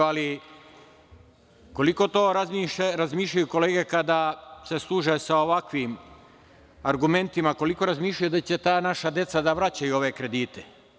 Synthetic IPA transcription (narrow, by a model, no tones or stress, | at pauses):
ali | ko̞liko̞t̪o̞ːɾaiɾazmiːʃ̬ʎajuko̞le̞ːɡe̞kad̪ase̞slˠuːʒesaoʋakʋim | aɾɡume̞nt̪imako̞liko̞ɾazmiːʃʎʲajud̪at͡ɕe̞t̪aːnaʃad̪je̞t̪sad̪aʋɾat͡ɕajuo̞ʋe̞kɾe̞d̪iːt̪e